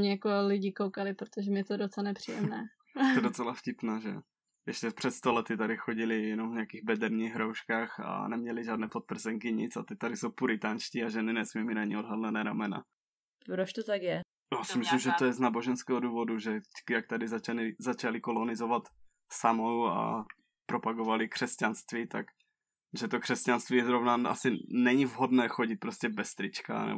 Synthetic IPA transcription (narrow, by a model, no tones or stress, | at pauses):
mɲɛjakolɪɟikowkalɪpɾot̪oʒɛmɪjɛt̪odot͡sɛlanɛpr̝̥ijɛmnɛː | t̪ɛdot͡sɛlafcɪpnaːʒɛ̰ | jɛʃcɛpr̥ɛt̪st̪olɛt̪ɪt̪adɪxoɟɪlɪjɛnomvɲaakiːɣbɛdɛɾɲiːɣɦɾowʃkaːxa̰nɛmɲɛlɪʒaːdnɛːpot̪̚pr̩zɛŋkɪɲɪ̰t͡sat̪ɛt̪adɪsowpuɾɪt̪aːnʃciːaʒɛnɪnɛsmiːminaɲɪodɦadlɛnɛːɾamɛna̰ | pɾot͡ʃt̪ot̪akjɛ | jaːsɪmɪslimʒɛt̪ojɛznaːbo̞ʒɛnskɛːɦoduːvo̞duʒɛt̪ɛckjak̚t̪adɪzat͡ʃalɪzat͡ʃalɪkolonɪzovat̪ | samowa̰ | pɾo̞paɡovalɪkr̥ɛscanst̪vit̪ak | ʒɛt̪okr̥ɛscanst̪viːjɛzɾovnaa̰sɪnɛɲɪvɦodnɛːxoɟɪt̪̚pɾoscɛbɛst̪ɾɪt͡ʃka̰nɛ̰b